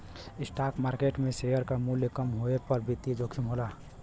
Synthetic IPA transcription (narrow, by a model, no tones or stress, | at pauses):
ɪsʈaːkmaːɾkeːʈmẽsejəɾkamuljekəmɦoepəɾbʱit̪id͡ʒoːkʰimɦoːlaː